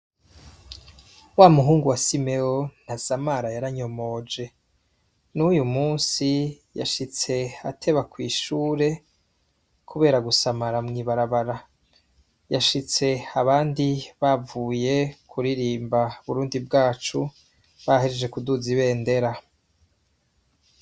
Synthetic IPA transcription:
waːmuɦuːŋɡuwasime̞on̥asamaɾajaɾaɲo̞mo̞ːd͡ʒe̞ | nujumuːnsi | ja̰ʃit͡se̞atʰe̞βakwiːʃuːɾe̞ | kʰuβe̞ːɾaɡusamaɾamŋiːβaɾaβaɾa | jaʃit͡se̞aβaːndiβavuːje̞kʰuɾiɾiːmbaβuɾuːndib̚ɡaːt͡ʃu | βaheɾd͡ʒe̞kuduziβe̞ːnde̞ɾa

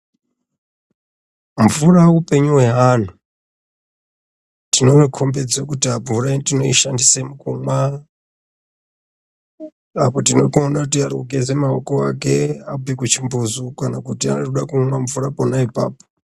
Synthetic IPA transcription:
ɱvuɾaupeɲuwɛɦan̤u | tinoikʰombɛd͡zakutiavuɾaitinoiʃandisemukuŋwa | apɔtinokuɔnakutiaɾuɡezɛmaɔkɔa̰kɛabɛkut͡ʃʰimbuzukanakutia̰uɗakuunaɱvuɾapɔnaipa̰ːpɔ̥

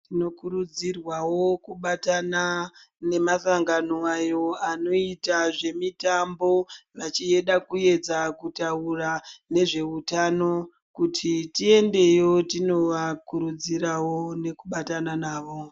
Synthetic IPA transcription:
tino̞kuɾud͡zirwawo̞kuɓatana | ne̞masaŋɡanoajo̞ano̞itaʐe̞mitambo̞ʋat͡ʃie̞ɗakue̞d͡zakutaurane̞ʐe̞utano̞ | kutʰitie̞nde̞jo̞tino̞ʋakuɾud͡ziɾawo̞ne̞kuɓatananaːʋo

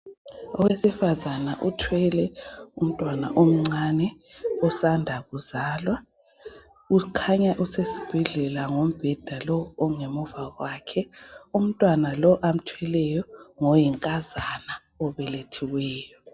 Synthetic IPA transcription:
ɔ̰wesifazanaʔutʰwɛlɛum̩tʼwana̰ʔom̩ŋ͡ǀanɛɔsandʱaɣuzaːlwa | ukʰaɲaʔusesi̥b̥ʱɛɮɛlaŋom̩b̥ʱɛd̥ʱalɔːŋemuvaɣwakʰɛum̩tʼwanalɔʔam̩tʰwɛlɛjɔŋɔjiŋkʼazana | ɔβɛletʰiwɛːjɔ

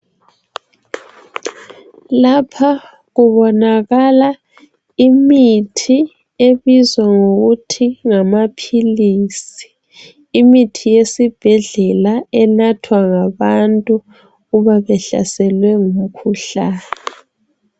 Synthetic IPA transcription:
lapʰa | ɣuβɔnaɣala | imitʰi | eβizwaŋoɣutʰiŋamapʰiliːsi̥ː | mitʰijesib̥ʱɛɮɛlaɛnatʰwaŋaβantʼu | ɣuβaβɛɬa̰sɛlwɛŋum̩kʰuɬaːni

